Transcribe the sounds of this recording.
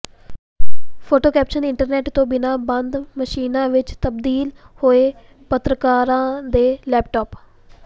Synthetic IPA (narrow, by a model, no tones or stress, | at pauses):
pʰoːʈoːkɛːpʃənɪɳʈəɾnɛːʈt̪õːbɪnãːbənd̪məʃiːnãːʋɪt͡ʃt̪əbd̪iːlhoːeː | pət̪ɾəkaːɾãːd̪eːlɛːp̚ʈɔːp